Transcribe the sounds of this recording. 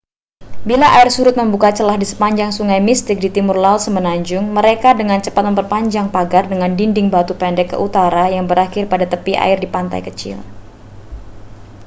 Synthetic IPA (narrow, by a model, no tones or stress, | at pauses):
bilaʔaɪrsuɾʊt̪̚məmbukat͡ʃəlahdisə̥paɲd͡ʒaŋsuŋajmist̪ɪk̚dit̪imʊrlaʊt̪̚səmənaɲd͡ʒʊŋməɾekadəŋant͡ʃəpat̪̚məmpərpaɲd͡ʒaŋpaɡardəŋandindɪŋbat̪upɛndɛkːə̰ʔut̪aɾajaŋbəɾaxɪrpadat̪əpiʔa̰ɪrdipant̪a̰jkət͡ʃɪ̰l